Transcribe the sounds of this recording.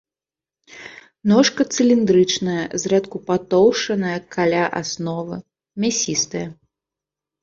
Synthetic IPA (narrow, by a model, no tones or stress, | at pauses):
nɔʂkɐt̪sɨlʲind̪ɾɨt͡ʂnɐjɐzɾɛt̪kupat̪ɔwʂɐnɐjɐkʰalʲaʔasnɔvɨ | mʲasʲist̪ɐjɐ